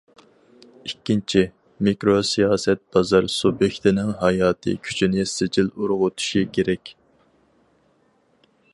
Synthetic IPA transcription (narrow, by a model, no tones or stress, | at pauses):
ikʲːint͡ʃʰi | mikɾosijɑːsɛt̪̚b̥ɑzɑɾsubjekʲt̪ɪnɪŋɦɑjɑːt̪ʰɨ̰kʲʰy̥t͡ʃʰinɪsɪd͡ʒiluɾʁʊt̪ʰu̥ʃikʲʰeɾɛkʲ